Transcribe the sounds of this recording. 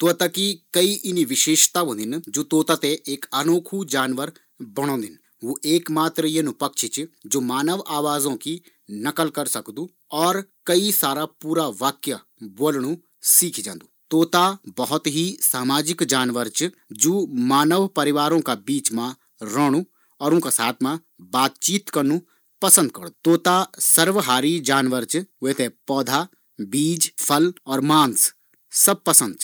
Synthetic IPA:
t̪ʊt̪akikəiːʔɪniːʋɪʃeːʃt̪aːõːd̪ɪnd͡ʒoːt̪oːt̪aːt̪eʔɪkənoːkʰuːd͡ʒaːnʋəɾ | bəɽ̃õːd̪ɪn | ʋoːʔeːkmaːt̪ɾijaːnũːpəkt͡ʃʰɪt͡ʃd͡ʒoːmaːnəʋaːʋaːzõːki | nəkəlkəɾsəkd̪uː | ɔːɾkəiːsaːɾaːpuːɾaːʋaːkjaː | boːlɳ̃ũː | siːkʰid͡ʒãːnd̪uːt̪oːt̪aːbɐɦʊt̪ɦisaːmaːd͡ʒɪkd͡ʒaːnʋəɾt͡ʃ | d͡ʒoːmaːnəʋpɐɾɪʋaːɾõkabiːt͡ʃmã | ɾəɽ̃u | ɔːɾʊ̃kasaːt̪ʰmã | baːt̪̚t͡ʃiːt̪kɐɾnu | pɐsə̃nd̪̚kɐɽd̪ut̪oːt̪asɐɾʋəɦaːɾid͡ʒaːnʋəɾt͡ʃʋet̪ʰepɔːd̪ʱa | biːd͡ʒpʰɐlɔːɾmãːns | sɐb̚pɐsə̃nd̪t͡ʃʰ

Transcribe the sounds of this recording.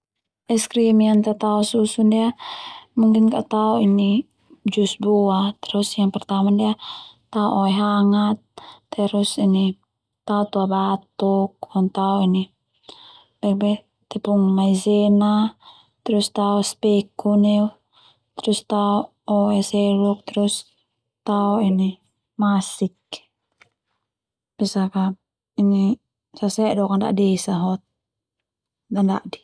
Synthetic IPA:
ɛskɾimiant̪at̪aususudiamuŋkinkaʔt̪auini | d͡ʒusbuat̪ɛɾɔsjaŋpɛrt̪amadia | t̪auʔoɛɦaŋat̪̚ːɛɾusini | t̪aut̪uabat̪uk̚ɔnt̪auini | bɛbɛ | t̪ɛpuŋmaizɛna | t̪ɾust̪aɔspɛkunɛu | t̪ɾust̪aɔ | ɔɛsɛluk̚t̪ɾus | t̪aɔini | masikː | b̥isaka | ini | sasɛʔdɔkanda̰ʔdɛisaɦɔt̪̚ | danda̰ʔdi̥

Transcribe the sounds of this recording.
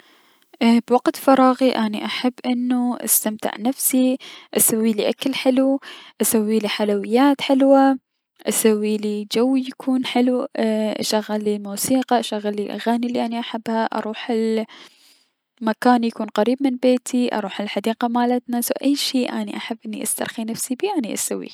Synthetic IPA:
ʔbwaɡt̪fɑɾˤɑːɣiʔaːnḭʔaħabːʔɪnːuʔa̰st̪amt̪ɪ̰ʕnafsiʔasawːiliʔakalħɪluʔasawːiliħalawɪjːaːt̪ħɪlwa | ʔasawːilid͡ʒawːijakʰuːnħɪluʔʔa̰ʃaɣːalːimuːsiːqɑʔaʃaɣːalːiʔa̰ɣaːniliʔaniʔaħabhaʔɑ̰ɾˤuːħɪl | makaːnjakuːnqaɾiːb̚mɪnbeːt̪ʰiʔɑ̰ɾˤuːħɪlħad̪iːqamaːlat̪nasawʔajːʃiːʔaːniʔaħabːʔɪnːiʔa̰st̪ɑ̰ɾˤxinafsibiːʔaniʔa̰sawːḭ

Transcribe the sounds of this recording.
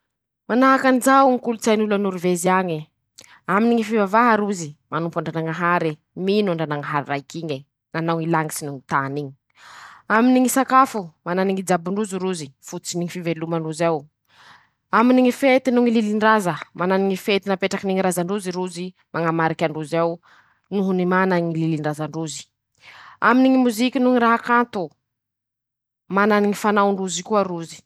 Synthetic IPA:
manaɦakanzawŋikulut͡sajnulanuɾiveziaɲi | aminiŋifivavaɦaɾuzimanumpaɳɖ͡ʐanaŋaɦaɾi | minaɳɖ͡ʐanaŋaɦaɾirajkiɲi | nanawŋilaŋisinuŋit̪aniɲi̥ | aminiŋisakafumananiŋid͡zabuɳɖ͡ʐuziɾuzifut͡siniŋifivelumaɳuzaw | aminiŋifet̪inuŋililiɳɖ͡ʐazəmananiŋifet̪inapeʈ͡ʂakiniŋiɾazaɳɖ͡ʐuziɾuzi | maŋamaɾikʲaɳɖ͡ʐuzaw | nuɦunimanaŋililiɳɖ͡ʐazaɳɖ͡ʐuzi̥ | aminiŋimuzikʲinuŋiɾaɦakant̪u | mananiŋifanawɳɖ͡ʐuzikuaɾuzi̥

